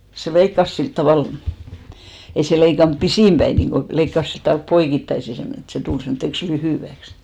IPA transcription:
se leikːɑs silt tɑʋɑˑl ei se leikɑnp pisiˑm b̥æi niːŋɡ̊o leikːɑs silt tʋɑlp poikitːɑisi semːone et se tul semtːeks lyhyˑʋæks

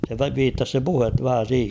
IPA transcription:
se ʋiːtːɑs se puhet ʋæhæ siːhe

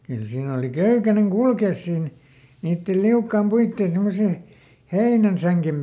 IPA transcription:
kyl siːn oˑli køykæneŋ kulkeˑs siːn niːtːel liukːɑːm puitːeˑn semːose heinænsæŋkem

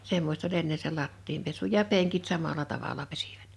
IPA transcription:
semːost olʲ enːe se lɑtːiːm pesu jɑ peŋkit sɑmɑlɑ tɑʋɑlɑ pesi̥ʋ̥æ̥t

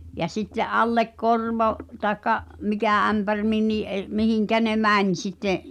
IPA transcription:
jɑ sitːeʔ ʔɑlːek korʋo tɑekːɑ mikæ æmpær minːiː ʔer mihiŋkæ ne mænʲ sitːe

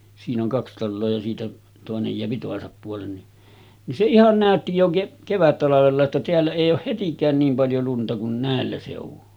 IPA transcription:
siːn oŋ kɑks tɑlːoː jɑ siːtæ toˑenej jeæpi toˑesɑp puolen ni nin se ihɑn næˑøtːi jo keʔ keʋætːɑlɑʋelːɑ etːæ teælːæ eˑij oːh hetikˑæːn niːm pɑljo luntɑ kun næˑelːæ seˑuʋu

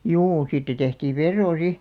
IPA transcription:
juː siːtːæ tehtiːʋ̆ ʋerːoː si

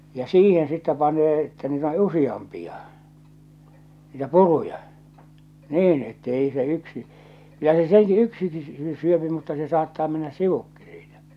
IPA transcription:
jɑ siːhen sitːæ pɑnˑeː etːæ niːt on usij̆ɑmpiɑ niːtæ purujɑ niːn etː eˑi se yksi jɑ se silti yksiki sy syøpi mutːɑ se sɑːtːɑː menːæs siʋukːi siːtæ

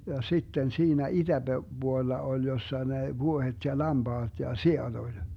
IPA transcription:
jɑ sitːen siːnæ id̥æb̥e b̥uolːɑ olʲ josːɑ ne ʋuohet jɑ lɑmb̥ɑːd̥ jɑ siɑd̥ olʲ

